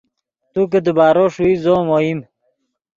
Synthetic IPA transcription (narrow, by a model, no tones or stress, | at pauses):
t̪uk̬ed̪əbaːɾoʂuizoːmoim